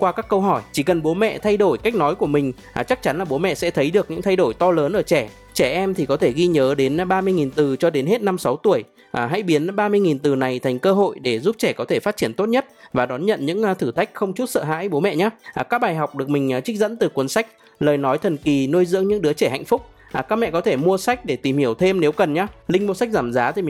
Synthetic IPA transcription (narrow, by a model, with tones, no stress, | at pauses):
kwaː˧kaː˦˥kːə˧wɦɔ˧˩jt͡ɕi˧˩kə˨˩nɓo˨˦mɛ̰˧˨t̪ʰa˧jɗo˧˩jka˦˥jk̚nɔ˨˦jku˧˩əmï˨˩ŋ̟˨˩ | t͡ɕa˦˥k̚t͡ɕa˨˦nlaː˨˩ɓo˨˦mɛ̰˧˨sɛ̰˧˥t̪ʰə˨˦jɗɨ˨˩ək̚ɲɨ̰˧˥ŋt̪ʰjɗo˧˩jt̪ɔ˧ləː˨˦nʔəː˧˩t͡ɕɛ˧˩ | t͡ɕɛ˧˩ʔɛ˧mt̪ʰi˨˩kɔ˨˦t̪ʰe˧˩ɣi˧ɲəː˨˦ɗe˨˦nɓaː˧mɨ˧əjŋi˨˩nt̪ɨ˨˩t͡ɕɔ˧ɗe˨˦nhe˦˥t̚na˧msa˨˦wt̪u˧˩əj | ʔɦa̰˧˥jɓi˨˦ənɓaː˧mɨ˧əjŋi˨˩nt̪ɨ˨˩na˨˩jt̪ʰa˨˩ŋ̟kəː˧ɦo̰˧˨jɗe˧˩zu˦˥p̚t͡ɕɛ˧˩kɔ˨˦t̪ʰe˧˩faː˦t̚t͡ɕi˧˩ənt̪o˦˥t̚ɲə˦˥t̚vaː˨˩ɗɔ˨˦nɲə̰˧˨nɲɨ̰˧˥ŋː˨˩t̪ʰɨ˧˩t̪ʰa˦˥jk̟̚xə˧wŋ͡mt͡ɕu˦˥t̚sə̰ː˧˨ɦa̰ː˧˥jɓo˨˦mɛ̰˧˨ɲaː˨˦ʔːkaː˦˥k̚ɓaː˨˩jɦa˨˩wk͡p̚ɗɨ˨˩ək̚mï˨˩ŋ̟ʔːt͡ɕi˦˥k̟̚zə̰˧˥nt̪ɨ˨˩kwənsa˦˥jk̚ | ləː˨˩jnɔ˨˦jt̪ʰə˨˩nki˨˩no˧jzɨ̰˧˥əŋɲɨ̰˧˥ŋɗɨ˨˦ət͡ɕɛ˧˩ha̰˧˨jŋ̟fʊ˦˥k͡p̚ | ʔaː˨˩kaː˦˥k̚mɛ̰˧˨kɔ˨˦t̪ʰe˧˩mu˧əsa˦˥jk̟̚ɗe˧˩t̪i˨˩mhi˧˩əwt̪ʰe˧mne˨˦wkə˨˩nɲaː˨˧˦lï˧ŋ̟mu˧sa˦˥k̟̚zaː˧˩mzaː˨˦t̪ʰi˨˩˨